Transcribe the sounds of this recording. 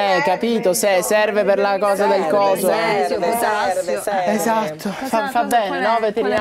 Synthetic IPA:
ɛkːapiːt̪osesɛrveperlakɔːzad̪elkɔːzo | ezat̪ʰːofafabːɛːnenɔvet̪eɾi

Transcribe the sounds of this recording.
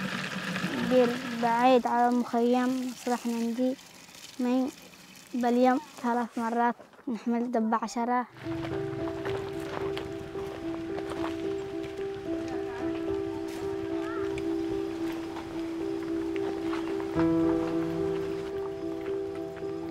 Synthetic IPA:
biːɾbaʕiːd̪ʕalamʊxajːamːɑsˤɾˤɑħnand̪i | mɪn | baljamθalaːθmɑrˤːɑːt̪ | nɪħmɪld̪abːaʕaʃɑɾˤɑ

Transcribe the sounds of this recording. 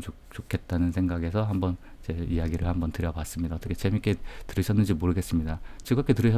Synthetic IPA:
o | t͡ɕokʰe̞t̚t͈anɯnsʰeŋɡaɡe̞sʰʌɦambʌn | t͡ɕe̞ijaɡiɾɯɭhambʌntɯɾjʌpas͈ɯmɲidaʌt͈ʌkʰet͡ɕemik͈ʰe̞tɯɾɯɕʰʌnːɯnd͡ʑimoɾɯɡe̞s͈ɯmɲidat͡ɕiɡak͈ʰe̞tɯɾɯɕʰʌ

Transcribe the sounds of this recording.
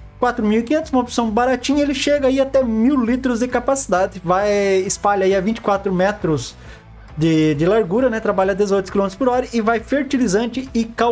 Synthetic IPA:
kwat̪ɾʊmiwikĩɲ̃ẽnt̪ʊzũmɐopsɐ̃w̃baɾat͡ʃĩɲɐelɪʃeɡɐaiat̪ɛmiwlit̪ɾʊzd̪ɪkapasi̥d̪ad̪ɪvajɪspaʎɐaiavĩnt͡ʃɪ̥kwat̪ɾʊmɛt̪ɾʊz | d̪ɪd̪ɪlaɾɡuɾɐnɛt̪ɾabaʎɐd̪ezojt̪ʊ̥skilõmet̪ɾʊ̥spoɾɔɾɐɪvajfeɾt͡ʃilizɐ̃t͡ʃɪɪka

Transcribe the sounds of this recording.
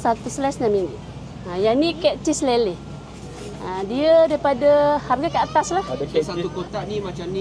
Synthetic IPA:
sat̪uslɛsnamin | ajanikɛʔt͡ʃislelɪ | adiədaipadəharɡakəat̪aslahdsat̪ukot̪aʔnimat͡ʃamni

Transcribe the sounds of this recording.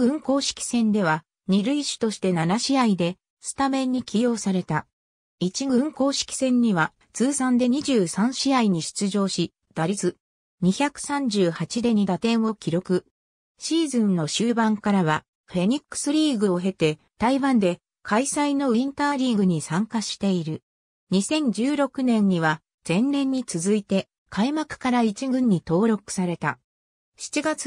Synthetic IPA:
ɡɯ̟̃ŋko̞ːɕi̥kʲi̥sẽ̞nd̪e̞βa | ɲ̟iɾɯ̟iɕi̥t̪o̞ɕi̥t̪e̞nanaɕiaid̪e̞ | sɨ̥t̪amẽ̞ɲ̟ːikʲijo̞ːsaɾe̞t̪a | it͡ɕiɡɯ̟̃ŋko̞ːɕi̥kʲi̥sẽ̞ɲ̟ːiβa | t͡sɨːsãnd̪e̞ɲ̟iʑɨːsãɰ̃ɕiaiɲ̟iɕɨ̥t͡sɨʑo̞ːɕi | d̪̥aɾʲit͡sɨ | ɲ̟içakɯ̟̥sãɲ̟d͡ʑɨːhat͡ɕid̪e̞ɲ̟id̪at̪ẽ̞ɰ̃o̞kʲiɾo̞kɯ̟ | ɕiːzɨ̃nno̞ɕɨːbãŋkaɾaβa | ɸe̞ɲ̟ikːɯ̥sɨɾʲiːɡɯ̟o̞ɦe̞t̪e̞ | t̪aiβãnd̪e̞ | kʰaisaino̞ɯ̟ĩnt̪aːɾʲĩɡɯ̟ɲ̟isãŋkaɕi̥t̪e̞iɾɯ̟ | ɲ̟isẽ̞ɲ̟d͡ʑɨːɾo̞kɯ̟nẽ̞ɲ̟ːiβa | d͡z̥ẽ̞nnẽ̞ɲ̟ːit͡sɨzɨit̪e̞ | kʰaimakɯ̟̥kaɾait͡ɕiɡɯ̟̃ɲ̟ːit̪o̞ːɾo̞kɯ̟̥saɾe̞t̪a̰ | ɕi̥t͡ɕiɡat͡s

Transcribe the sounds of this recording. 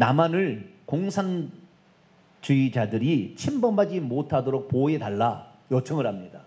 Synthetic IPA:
namanɯɭkoŋsʰan | t͡ɕuid͡ʑadɯɾit͡ɕʰimbʌmbad͡ʑimotʰadoɾok̚poedaɭːa | jʌt͡ɕʰʌŋɯɾɦamɲida

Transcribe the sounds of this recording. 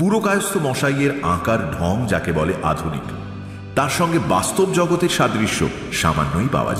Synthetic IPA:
puɾokajost̪ʰomɔʃajeɾã̰kaɾɖʱɔŋd͡ʑakebɔleʔa̰d̪ʱunḭk | t̪aɾʃɔŋɡebast̪obd͡ʑɔɡot̪eɾʃad̪ɾiʃːo̰ | ʃa̰ma̰nːojpa̰oa̰d͡ʑa

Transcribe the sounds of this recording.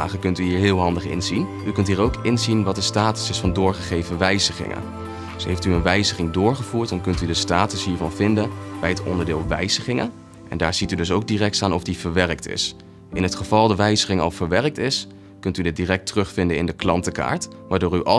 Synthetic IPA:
a̰ːχəkɵntyɦiːɹɦɪːlˠɦɑndəχɪ̰nzin | ykɵntɦiːɹowkɪnzinʋɑt̚dəstaːtə̥sɪsfɑndʊːɹχəχejvəʋɛjzəχɪ̰ŋə̰n | dsɦejftyənʋɛjzəχɪŋdʊːɹχəv̥uːɹtɔnkɵntydəstaːtəsɦiːɹvɑnvɪndənbɛjɦətɔ̰ndəɹdɪːlˠʋɛ̰jz̥əχɪŋə̰n | ɛ̰ndaːɹz̥itydɵs̬owɡ̚dirɛk̚taːnɔfdivəɹʋɛrək̚tɪ̰s | ʔɪnɦətχəv̥ɑlˠdəʋɛjzəχɪŋɑ̰lˠv̥əɹʋɛrək̚tɪs | kɵntydɪt̚dirɛk̚tərɵχfɪndənɪ̰ndəklɑntəka̰ːɹt | ʋaːɹdʊːɹyʔɑ

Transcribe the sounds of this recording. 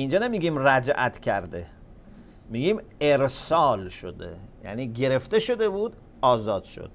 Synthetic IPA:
ind͡ʒɒːnemiɡʲimræd͡ʒʔæt̪ʰcʰæ̰ɾd̪ḛ | miɡimeɾsɒːlʃo̰d̪ḛjæ̰niːɡe̞ɾe̞ft̪e̞ʃo̞d̪e̞buːd̪ | ɒːzɒːd̪̥ʃo̰d̪̥

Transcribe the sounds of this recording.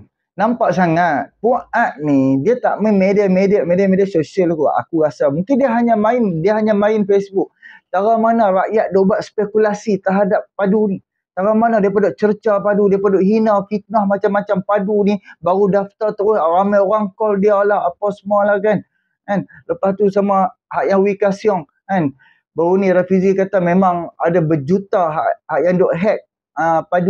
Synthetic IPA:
nampaʔsaŋat̪̚puat̪̚nidiat̪a̰ʔmɛmediamediaʔmediamediasosialkua̰kuɣasamuŋkɪndiəɦaɲamaɪndiaɦaɲamaɪnfesbuk̚t̪aɾamanaɾaʔjaʔ̪̚dobaʔspekulasit̪əɦadap̚ːaduni | t̪aɾamanadiapadoʔt͡ʃərt͡ʃapadudiapadoʔɦinafit̪̚nahmat͡ʃamːat͡ʃampadunibaɾudaft̪at̪əɾʊhɾamajoɾaŋkɔldialahapawsəmualahkan | kanləpast̪usamahaʔjaŋwikasiɔŋ | kan | baɾuniɾafizikat̪amemaŋa̰dabəd͡ʒut̪aɦa̰ʔhaʔjaŋdɔʔɦɛt̪̚ | əpadu

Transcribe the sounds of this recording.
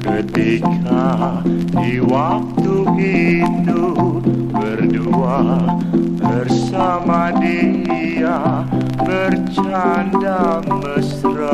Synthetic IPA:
kət̪ikʰa | diwak̚t̪uʔit̪u | bərdua | bərsamadii | a | bərt͡ʃandaŋbəsɾa

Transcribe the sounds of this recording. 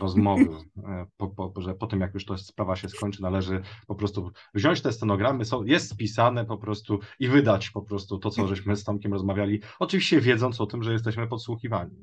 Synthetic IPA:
ɾɔzmɔvɘpɔpɔʐɛpɔt̪ɘmjakjuʂt̪ɔspɾavaɕɛskɔɲt͡ʂɘnalɛʐɘpɔpɾɔst̪uvʑɔ̃ɲt͡ɕt̪ɛst̪ɛnɔɡɾamɘsɔ̃w̃jɛst̪spʲisanɛpɔpɾɔst̪uivɘd̪at͡ɕpɔpɾɔst̪ut̪ɔsɔʐɛɕmɘst̪ɔmkʲɛmɾɔzmavʲjalʲiɔt͡ʂɘvʲiɕt͡ɕɛvʲjɛd̪zɔnsɔt̪ɘmʐɛjɛst̪ɛɕmɘpɔt̪swuxʲivaɲi

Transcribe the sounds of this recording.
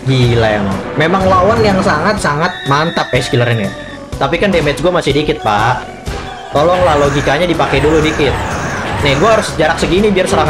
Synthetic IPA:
ɡilajana̰memaŋlawanjaŋsaŋat̪̚saŋat̪̚mant̪apɛskilaɾɪnja | t̪apikandemɛt͡ʃɡuamasɪhdikɪt̪̚paʔ | t̪olɔŋlahloɡikaɲadipakɛjduludikɪt̪̚naɡuaaɾʊsd͡ʒaɾak̚səɡinibiarsəɾaɦ

